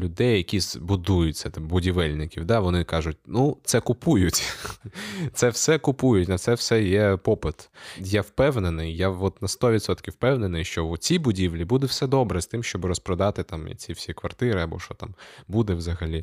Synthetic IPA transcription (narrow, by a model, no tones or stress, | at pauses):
lʲʊd̪ɛjːɐkʲiz̥bʊd̪ujʊt͡sʲːɐt̪ɪbʊdʲiʋɛlʲnɪkʲiwd̪ɑʋɔnɪkɑʒʊt̚ʲnut̪sɛkʊpujʊtʲ | t̪sɛwsɛkʊpujʊtʲnɐt̪sɛwsɛjɛpɔpɪt̪jawpɛwnenɪjjaɔt̪nɐst̪ɔʋʲid̪sɔt̪kʲiwpɛwnenɪjʃt͡ʃɔt͡sʲibʊdʲiʋlʲibud̪ɛwsɛd̪ɔbɾɛst̪ɪmʃt͡ʃɔbɾɔspɾɐd̪ɑt̪ɪt̪ɑm̰t͡sʲiwsʲikʋɐrt̪ɪɾɪɐbɔ̰ʃɔt̪ɑ̰mbud̪ɛwzɐɦɐlʲi